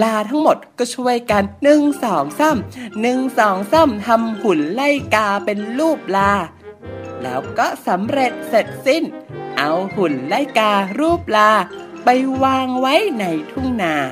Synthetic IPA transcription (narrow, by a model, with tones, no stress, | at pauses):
laː˧t̪ʰa˦˥ŋmo˨˩t̪̚kɔː˥˩t͡ɕʰu˧˥˩əjka˧nːɯ˧ŋsɔː˩˦ŋsa˥˩mnɯ˧ŋsɔː˩˦ŋsa˥˩mt̪ʰa˧mhu˨˩˦nla˥˩jkaː˧pe˧nluː˥˩p̚laː˧ | lɛ̰ː˦˥wkɔː˥˩sa˩˦mɾe˨˩t̪̚se˨˩t̪̚si˥˩nʔa˧whu˨˩˦nla˥˩jkaː˧ɾuː˥˩p̚laː˧pa˧jwaː˧ŋwa˦˥jna˧jt̪ʰu˥˩ŋnaː˧˩